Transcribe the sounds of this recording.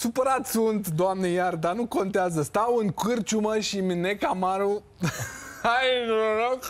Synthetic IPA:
supəɾat̪sunt̪d̪oamnejard̪anuko̞nt̪eazəst̪awɨŋkɨrt͡ʃuməʃiminekamaɾu | ajnɾok

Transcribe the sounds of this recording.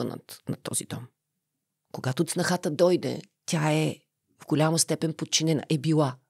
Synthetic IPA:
ənə̰t̪nɐ̰t̪ɔ̰zid̪ɔm | koɡat̪ot̪snɐxat̪əd̪ɔjd̪ɛ̰ | t̪ʲaɛ | vɡolʲaməst̪ɛpɛnpot̪̚t͡ʃinɛnə̰ʔɛbilˠa

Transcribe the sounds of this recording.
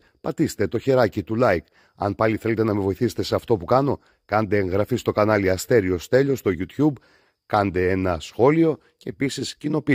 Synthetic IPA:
pɐt̪ist̪e̞t̪o̞çe̞ɾɐcit̪ulɐik | ɐ̰npɐliθe̞le̞t̪̬e̞nɐmevo̞iθiset̪e̞seɐft̪o̞pukɐno̞ | kɐnd̪e̞ːŋɣɾɐfist̪o̞kɐnɐliɐst̪e̞ɾio̞st̪e̞ʎo̞st̪o̞ʝut̪çub | kɐnd̪e̞enɐsxo̞lio̞ | ce̞ːpisiscino̞pi

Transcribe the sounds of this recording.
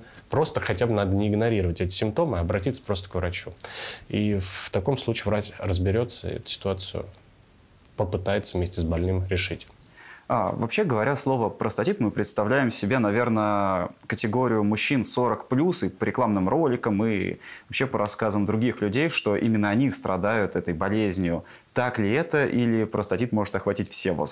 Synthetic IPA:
pɾo̞st̪əxɐtʲabnad̪ənʲɪɪɡnɐɾʲiɾəvətʲɛt̬ʲɪ̥sʲɪmp̚t̪o̞mɨɐbɾɐtʲit̪sə̥pɾo̞st̪ə̥kvɾɐt͡ɕuift̪ɐko̞mslˠut͡ɕiːvɾatʲrəzbʲɪɾʲo̞t̪səɛ̰t̪ʊ̥sʲɪ̥t̪ʊat̪sɨʊ̰ | pəpɨt̪ajɪt̪səvmʲesʲtʲɪsbɐlʲnɨmɾʲɪʂɨtʲ | a̰vɐpɕːe̞ɡəvɐɾʲaslˠo̞vəpɾəst̪ɐtʲit̪mɨpɾʲɪt̪st̪ɐvlʲæjɪmsʲɪbʲenɐvʲe̞rnəkətʲɪɡo̞ɾʲɪjʊmʊɕːinso̞ɾəkplʲusɨpəɾʲɪklˠamnɨmro̞lʲɪkəmɨɐpɕːepəɾɐskazəmd̪ɾʊɡʲixlʲʉdʲejʂt̪o̞ʔimʲɪnːəɐnʲist̪ɾɐd̪ajʊt̪ɛt̪əjbɐlʲezʲnʲɪjʊ | t̪aklʲɪɛt̪əʔilʲɪpɾəst̪ɐtʲit̪mo̞ʐɨt̪ɐxvɐtʲitʲfsʲevo̰z

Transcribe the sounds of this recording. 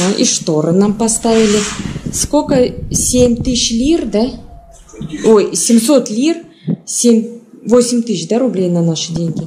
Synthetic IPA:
ʔḭʂt̪o̞ɾənampɐst̪avʲɪlʲɪskokəsʲemʲt̪ɨɕlʲird̪a | ojsʲɪmso̞t̪lʲir | sʲemʲvo̞sʲɪmʲt̪ɨɕd̪aɾʊblʲejnanaʂɨdʲeŋʲɡʲɪ

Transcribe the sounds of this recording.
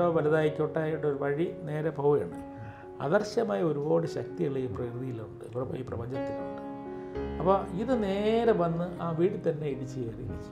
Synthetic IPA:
oːʋɐlɐðaːjikʲːoʈːaːjiʈːoɾuʋɐɻine̞ːɾɐpoːjɐ̰ɳɖɨ | ɐ̰ðɐrɕɐmaːjɐo̞ɾuboːɽɨɕɐk̚t̪ijiɭːɐiːprɐɾuðijiluɳɖɨpɐḭːprɐ̰bɐɲd͡ʑɐt̪ːilɐ̰ɳɖɨ | ɐpːoːiðɨne̞ːɾɐʋɐnːɨʔaːʋiːɽɨt̪ɐnːe̞iɽit͡ɕːɨeːriit͡ɕːu̥

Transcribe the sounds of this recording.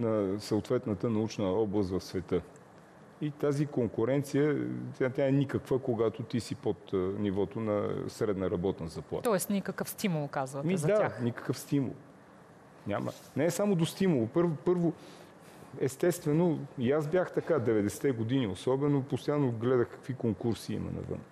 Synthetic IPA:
nɐsəot̪vɛt̪nət̪ənɐut͡ʃnəɔblˠəst̪vɐfsvɛt̪ɤ | it̪azikoŋkʊɾɛnt̪sijət̪at̪ʲjaɛnikəkvəkoɡat̪ot̪isipot̪nivɔt̪onɐ̰sɾɛd̪nəɾɐbɔt̪nəzɐplˠa̰t̪ɔɛst̪nikɐkəfst̪imulˠkazvɐmizd̪aaxnikə̥kəfst̪imṵlˠ | nʲamə̰ | nɛːsamod̪ost̪imʊlˠopɤɾvopɤɾvo | ɛst̪ɛst̪vɛnoiazbjaxt̪ɐkad̪ɛvɛd̪ɛsɛ̥t̪ɛɡod̪iniosɔbɛnopost̪ojanːoɡlɛd̪əxkɐ̥kvikoŋkuɾsiḭmɐ̰nɐ̰və̰n

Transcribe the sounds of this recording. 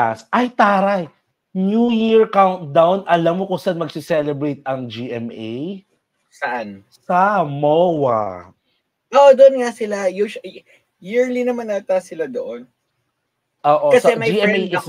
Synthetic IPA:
asʔɐjt̪aːɾɐj | njujiɹkawnt̪̚d̪awnʔɐlamːokʊŋsanmɐɡsɪsɛlɛbɾejt̪̚ɐŋd͡ʒiʔɛmʔej | sɐʔanssɐmowɐ̰ | ʔoːʔod̪oʔonŋasɪlajuʃ | jiɹlinɐmanːat̪asɪlad̪oʔon | ʔoːʔokɐsɐɛmɐd͡ʒiːʔɛejʔɪs

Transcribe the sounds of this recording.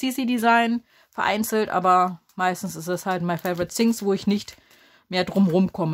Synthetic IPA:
siːsiːdizaɪn | fɛɐʔa̰ɪnt͡sl̩tʔa̰ːbɐmaɪstn̩sɪstɛshaltmaɪfeɪvɔʁɪtsɪŋsv̥oːɪçnɪçt | meːɐdʁʊmʁʊmkʰɔmə

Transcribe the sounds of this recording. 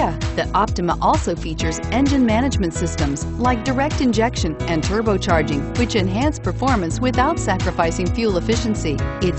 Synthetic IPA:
ðiʔɑp̚tɨməʔɔlˠsoʊfit͡ʃə˞zɛ̃nd͡ʒɨ̃nmæñɨd͡ʒmɨ̃ntsɪstə̃mz | laɪk̚d̥ə˞ɛk̚tɨ̃nd͡ʒɛkʃɨ̃nɨ̃ntʰɜ˞boʊt͡ʃʰɑɹd͡ʒɪ̃ŋwɨt͡ʃɨ̃nɦæ̃nspʰə˞fɔɹmɨ̃nswɪθaʊtsækɹɨfaɪsɪ̃ŋfjʉlˠəfɪʃɨ̃n̩siɪt

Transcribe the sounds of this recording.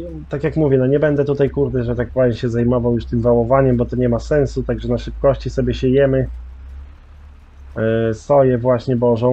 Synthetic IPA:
t̪akʲjakmuvʲjɛnɔɲɛbɛnd̪ɛt̪ut̪ajkuɾd̪ɛʐɛt̪ak̚pɾajɲɕɛzajmɔvawjuʂt̪ɘmvawɔvaɲɛmbɔt̪ɔɲɛmasɛñsut̪aɡʐɛnaʂɘp̚kɔɕt͡ɕisɔbʲjɛɕɛjɛmɘ | st̪ɔjɛvwaɕɲɛbɔʐɔ̃w̃

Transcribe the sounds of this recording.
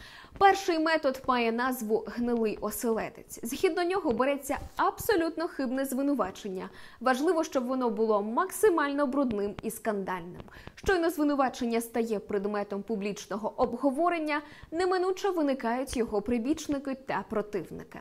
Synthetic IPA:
pɛrʃɪjmɛt̪ɔd̪mɑjɛnɑzʋʊɦnɪlˠɪjʔɔselˠɛd̪et͡sʲzɦʲid̪̚nɔnʲɔɦɔbeɾɛt͡sʲːɐɐbsɔlʲut̪nɔxɪbnɛzʋɪnʊʋɑt͡ʃenʲːɐ | ʋɐʒlˠɪʋɔʃt͡ʃɔbʋɔnɔbʊlˠɔmɐksɪmɑlʲnɔbɾʊd̪nɪmiskɐnd̪ɑlʲnɪ̰m | ʃt͡ʃɔjnɔzʋɪnʊʋɑt͡ʃenʲːɐst̪ɐjɛpɾɪd̪mɛt̪ɔmpublʲit͡ʃnɔɦɔʔɔbɦɔʋɔɾenʲːɐ | nɛmɪnut͡ʃɐʋɪnɪkɑjʊtʲjɔɦɔpɾɪbʲit͡ʃnɪkɪt̪ɐpɾɔt̪ɪwnɪ̰kɪ̰

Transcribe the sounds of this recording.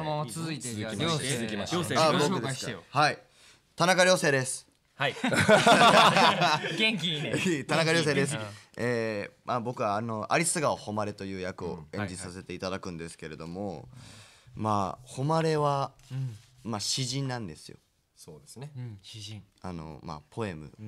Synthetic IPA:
nmamat͡sɨzɨit̪eiiaabokɯ̟d̪hai | t̪anakaɾʲjo̞ːseːd̪e̞sɨ̥ | hai | ɡẽŋkʲiit̪anakaɾʲjo̞ːs̬eːd̪es | eːmʔabo̞kɯ̟βaːno̞ʔa̰ɾʲisɨɡaoho̞maɾe̞t̪o̞jɯ̟ːjakɯ̟o̞̰ẽ̞ɲ̟d͡ʑisase̞t̪e̞it̪ad̪akɯ̟̃nd̪e̞sɨ̥ke̞ɾe̞d̪o̞mo | ma̰ːho̞maɾe̞βa | maɕiʑĩnnːãnd̪e̞sɨjo̞̰ | soːd̪ese | ano̰ma̰pʰo̞e̞mɯ̟̰

